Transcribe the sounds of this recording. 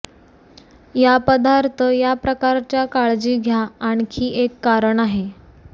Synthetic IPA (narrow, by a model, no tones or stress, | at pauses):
japəd̪aɾt̪ʰəjapɾəkaɾt͡ɕjakaɭd͡ʑiːɡʱjaːɳ̃kʰiːekːaɾəɳaɦe